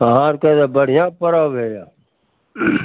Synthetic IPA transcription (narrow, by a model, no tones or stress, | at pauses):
ɦaːɾkət̪eːbəɽ̤ɪjãːpəɾaːʋeːjaː